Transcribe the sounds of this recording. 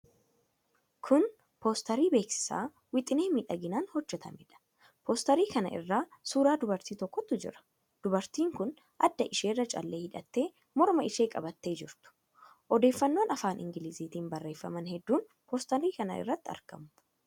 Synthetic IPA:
kʰʊn | poːst̪ɐɾiːbe̞ːksɪ̥sa̰ː | wɪt̪ʼɪneːmiːᶑɐɡɪnaːnhɔd͡ʒːɛt̪ʰɐ̰mɪᶑɐ̥ | pɔːst̪ɐɾiːkɐnɐ̰ʔɪ̰rːaːsuːɾaːd̪ʊbɐɾt̪iːt̪ɔkːɔt̪ːʊd͡ʒɪ̰ɾɐ̥ | d̪̥ʊbɐɾt̪iːŋkʊn | ʔɐd̪ːɐʔɪʃe̞ːrːɐt͡ʃʼɐ̰lːe̞ːhɪᶑɐt̪ːe̞ː | mɔɾmɐɪʃe̞ːkʼɐbɐt̪ːe̞ːd͡ʒɪɾt̪ʊ̥ | ʔɔd̪e̞ːfːɐnːo̞ːnɐfaːnʔɪ̰ŋɡɪlɪziːt̪iːnbɐrːe̞ːfːɐ̰mɐnhɛd̪ːuːn | poːst̪ɐɾiːkɐnɐ̰ɪ̰rːɐt̪ːɪɐ̰ɾkɐ̰mʊ̥

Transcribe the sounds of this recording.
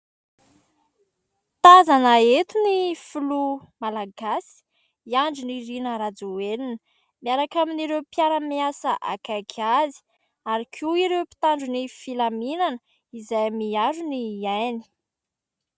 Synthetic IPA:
t̪azanaet̪unifulumalaɡasi̥ | iaɳd͡ʒuniɾinəɾad͡zuwelinə | miaɾakaminiɾewpiaɾəmiasəʔa̰kakʰazi̥ | aɾikʰuiɾewpi̥t̪aɳɖ͡ʐunifilaminanə | izajmiaɾuniajni̥

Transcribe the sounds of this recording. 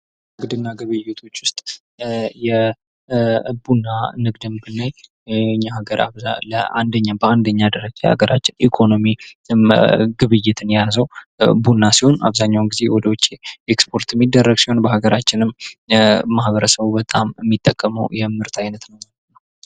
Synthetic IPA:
ɡɨd̪ɨnːaɡɨβɨjːɪt̪ʰo̞t͡ʃːwʊst̪ʼ | jɛ | bunːanɨɡd̪ɨmbɨnːaj | ɲːahaɡəɾa̰ləa̰nd̪əɲːabəand̪əɲːad̪əɾəd͡ʒajha̰ɡəɾat͡ʃːɪnʔikʰo̞no̞mi | ɡɨβɨjːɪt̪ʰɨnjazəwbunːasiho̞na̰βzaɲːawnɡize̞wɔd̪əwɔt͡ʃʼːeekspʰo̞ɾt̪mːid̪ːərːəɡsiho̞nbəhaɡəɾat͡ʃːɪnɨmː | ahbəɾəsəβubət̪ʼamɛmːit̪ʼːəkʼːəmə̰wjɛmːɨɾt̪ʰajnət̪nəwmamnːəw

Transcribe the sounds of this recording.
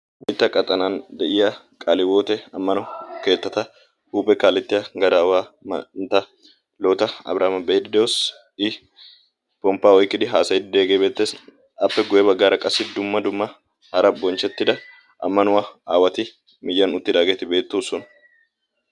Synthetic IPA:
mɪt̪ːɐkʼɐt̪ʼɐnand̪ɛʔɪja | kʼalɪwo̞ːt̪ɛɐmːɐnɔke̞ːt̪ːɐt̪ɐ | huːpʼɛkaːlɪt̪ːɪjɐɡɐd̪aːwaːm̰nt̪ɐ | loːt̪ɐɐ̰bɾʔaːmɐbɛd̪ɪd̪ɛwɔs | ɪ | pɔmpːaːɔjkːɪd̪ɪɦaːsɐjɪd̪ɪd̪e̞ːɡeːbe̞ːt̪ːeːs | ɐpːɛɡʊjɛbɐɡːaːɾɐkʼɐsːɪd̪ʊmːɐd̪ʊmːɐ | hɐɾɐbɔnt͡ʃːɛt̪ːɪd̪ɐ | ɐ̰mːɐnʊwaaːwɐt̪ɪ | mɪjːɐnʊt̪ːɪd̪aːɡeːt̪ɪbe̞ːt̪ːuːsɔn

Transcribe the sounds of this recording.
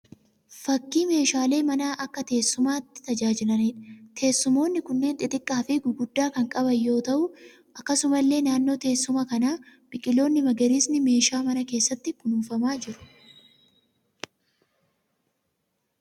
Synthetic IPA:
fɐkːiːme̞ːʃaːle̞ːmɐnaːʔɐkːɐt̪e̞ːsːʊmaːt̪ːɪ̥t̪ɐd͡ʒaːd͡ʒɪlɐniːᶑɐt̪ʰe̞ːsːʊmo̞ːnːɪkʊnːe̞ːnt̪ʼɪt̪ʼɪkʼːaːfɪɡʊɡʊd̪ːaːkɐŋkʼɐbɐjːo̞ːt̪ɐʔʊ | ʔɐkːɐsʊmɐlːe̞ːnaːnːo̞ːt̪e̞ːsːʊmɐkɐnaːb̥ɪkʼɪlo̞ːnːɪmɐɡɐɾiːsnɪme̞ːʃaːmɐnɐke̞ːsːɐt̪ːɪkʊnuːfɐmaːd͡ʒɪɾʊ̥

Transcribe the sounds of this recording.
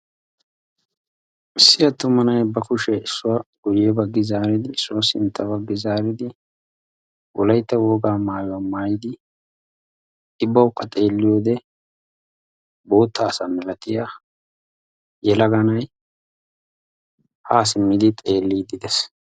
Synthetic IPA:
ʔɪsːɪjɐt̪ːʊmːɐnɐjbɐkʊʃɛɪsːʊwɐɡ̥ʊjɛbɐɡːɪzaːɾɪd̪ɪɪsːʊwɐsɪnt̪ːɐbɐɡːɪzaːɾɪd̪ɪ | wɔlɐjt̪ːɐwo̞ːɡaːmaːjʊɐmaːjɪd̪ɪ | ɪbːɐʊkːɐt̪ʼe̞ːlːɪjo̞ːd̪ɛ | bo̞ːt̪ːaːsɐmɛlɐt̪ɪja | jɛlɐɡɐnɐj | haːsɪmːɪd̪ɪt̪ʼe̞ːlːiːd̪ɪd̪ɛs

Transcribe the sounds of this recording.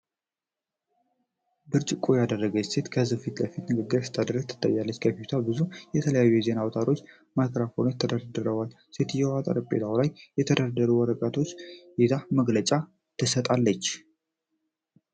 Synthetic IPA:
bɨɾt͡ʃʼɪkʼojad̪ərːəɡəse̞t̪kʰəzɨfit̪ləfit̪nɨɡəɡːɨɾsɨ̥t̪ʰːad̪ɾəɡ̚t̪ʰɨ̥t̪ʰʼːa̰jːalːət͡ʃːkʰəfit̪ʰabɨzujɛt̪ʰələjajːujɛze̞nawt̪ʰaɾo̞t͡ʃː | makɾafont̪ʰəd̪əɾad̪əɾəwal | set̪ʰjɛwat̪ʼa̰ɾpʼːet̪ʰawlajːɛt̪ʰəd̪əɾad̪əɾuwɔɾəɡat̪ʰo̞t͡ʃːjet̪ʰaməɡlət͡ʃʼa | t̪ʰɨsət̪ʼalːət͡ʃː

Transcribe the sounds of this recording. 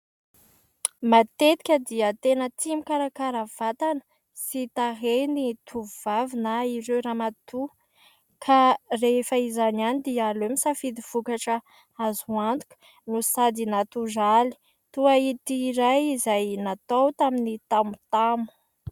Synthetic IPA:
mat̪et̪i̥kʲəd̪iət̪enət̪imikaɾakaɾəv̥at̪anə̥ | sit̪aɦenit̪ʰuuvavinaiɾewɾamat̪u | kʰarefəizanianid̪ialemisafid̪iv̥ukaʈ͡ʂə | azuant̪u̥kʲu̥ | nusad̪inat̪uʒali̥ | t̪uait̪iːɾajizajnat̪awt̪aminit̪amut̪amu̥

